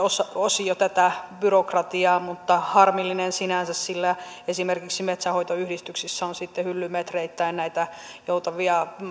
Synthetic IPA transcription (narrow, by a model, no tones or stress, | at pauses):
osɑosijot̪æt̪æbyrokrɑt̪iɑːmut̪ːɑhɑrmilːinensinænsæssilːæ | esimerkiksimet̪sæhoit̪oyhdist̪yksisːæonsit̪ːehylːymet̪reit̪ːæinnæit̪æjout̪ɑʋiɑ